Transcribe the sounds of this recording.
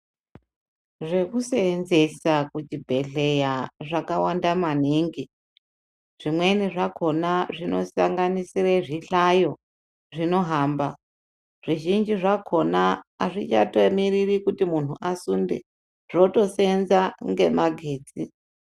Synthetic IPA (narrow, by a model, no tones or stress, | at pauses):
ʐe̞kuseːnze̞sakut͡ʃibʱe̞ɮe̞jaʐakawandamaniŋɡi | ʐ̥imwe̞niʐakʰo̞naʐino̞̰sa̰ŋɡanisireʐiɬajo̞ | ʐino̞ɦaːmba | ʐ̥iʒind͡ʒiʐakʰo̞naːʐit͡ʃatomiririkutimun̤uʔasundḛ | ʐ̥o̞to̞senzaŋɡe̞maɡʱeːt͡si